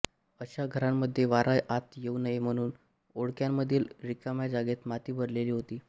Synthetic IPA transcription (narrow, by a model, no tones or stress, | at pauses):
əɕaɡʱəɾamːəd̪ʱːjeʋaɾajat̪jeunəɦem̤əɽ̃uːn | oɽkjamːəd̪ʱːiːlɾikamjad͡zaɡet̪mat̪iːbʱəɽleliːɦot̪iː